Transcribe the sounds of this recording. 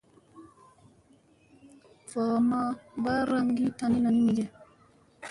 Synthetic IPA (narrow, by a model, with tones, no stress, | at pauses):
fɔː˨ma˦ba˦ɾa˦ŋɡi˦ta˨˦ni˦na˨n˦mi˨d͡ʒɛ˨